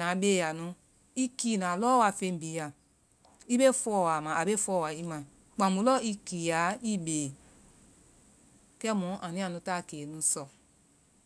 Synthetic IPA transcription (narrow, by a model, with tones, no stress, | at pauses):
ã˨˦beː˦ja˨nũ˨˦ | i˦kiː˦˨nã˨lɔ˦wa˧˨fẽ˧˦m˨bi˨˦ja˨ | i˦be˦fɔ˦˨wa˨mã˨a˨be˦fɔ˧˦˨wa˨i˧mã˨ | k͡pã˨mũ˧˦lɔ˦i˦ki˨a˨˦i˦beː˨ | kɛ˦mũ˨˦ʔã˨nĩ˦a˨nũ˧˦ta˦˨ke˨nũ˨˦sɔ˨